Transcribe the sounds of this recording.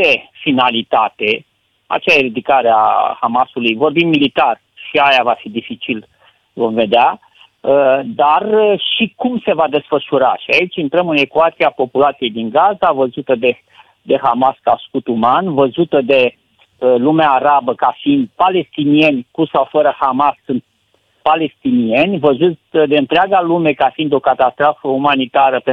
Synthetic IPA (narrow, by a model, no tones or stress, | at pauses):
efinalit̪at̪e̞ | a̰t͡ʃeajeɾid̪ikaɾea̰hamasulujvo̞rbimːmilit̪ar | ʃiajavafid̪ifit͡ʃil | vo̞mve̞d̪ea | əd̪arʃikumse̞vad̪e̞sfəʃuɾaʃiait͡ʃʲɨnt̪ɾəmɨne̞kuat̪siapo̞pulat̪sije̞jd̪iŋɡazavəzut̪əd̪e | d̪e̞hamaskaskut̪umanvəzut̪əd̪e̞ | əlumeaːɾabəkafiind̪pale̞st̪inie̞nʲkusawfəɾəhamasɨnt̪̚ | pale̞st̪inie̞nʲvəzut̪ʲd̪e̞ɨnt̪ɾeaɡalume̞kafind̪o̞kat̪ast̪ɾofəumanit̪aɾəpe